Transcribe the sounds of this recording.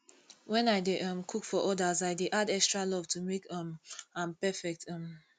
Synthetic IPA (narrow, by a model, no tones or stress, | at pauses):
wɛ̃naɪdeʔʌ̃mkʰukfɔʔɔdazaɪdeʔadɛkstɹalɔvtʰumekʌ̃mãmpɛfɛk̚tʌ̃m